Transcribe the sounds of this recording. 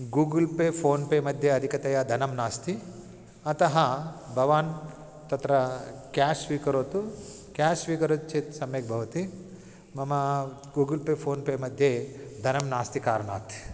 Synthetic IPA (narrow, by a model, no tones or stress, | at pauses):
ɡuːɡɐlpeːpʰoːnpeːmɐd̪ʱjeɐd̪ʱikɐt̪ɐjɐd̪ʱɐnɐmnaːst̪i | ɐt̪ɐɦɐbʱɐʋaːn | t̪ɐt̪ɾɐkaːsʋiːkɐɾoːt̪u | kjaːsʋiːkɐɾot̪̚t͡ʃet̪sɐmjeːk̚bʱɐʋɐt̪i | mɐmɐ | ɡuːɡɐlpeːpʰoːnpeːmɐd̪ʱjed̪ʱɐnɐmnaːst̪ikaːɾɐɳa̰ːt̪